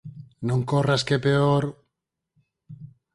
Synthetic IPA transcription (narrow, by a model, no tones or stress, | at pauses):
nõŋkoraskepeoɾ